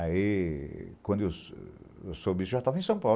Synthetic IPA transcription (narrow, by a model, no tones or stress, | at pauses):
ai | kwɐ̃nd̪ʊews | ewsobisʊʒat̪avɐẽsɐ̃w̃paw